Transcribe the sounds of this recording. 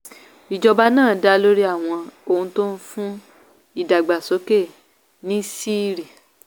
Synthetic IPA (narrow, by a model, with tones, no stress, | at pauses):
i˨d͡ʒɔ˧ba˦nãː˦˨˦da˦lo˦ɾi˦a˦˨w̃ɔ̃˧o˧˨ũ˧to˦n̩˦fũ˦ | i˦˨da˨ɡ͡ba˨so˨˦ke˦˨ | nĩ˦si˦ɾi˦˨